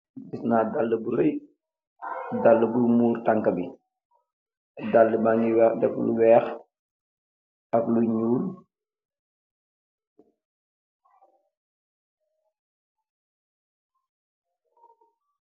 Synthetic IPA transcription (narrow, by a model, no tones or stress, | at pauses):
disnaːdalːəbuɾɛj | dalːəbumuːɾtaŋkɐbi | dalːəbaɲiwɛdɛklṵwɛːx | ɐkluɲuːl